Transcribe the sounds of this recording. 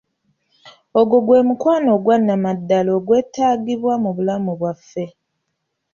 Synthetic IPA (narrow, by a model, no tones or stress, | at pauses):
o̞ɡoɡwe̞ːmukwaːno̞ɡwanːamadːalo̞ːɡwe̞ːtaːɡiβwamuβulamuβwafːe̞